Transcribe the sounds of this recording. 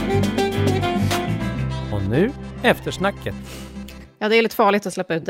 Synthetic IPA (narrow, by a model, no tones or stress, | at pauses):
ɔnʉ̟ːɛft̪əʂnakːət̪ | jɑːd̪ɛælɪt̪ːə̥fɑːɭɪt̪ɔslɛpːaʉ̟t̪̚d̪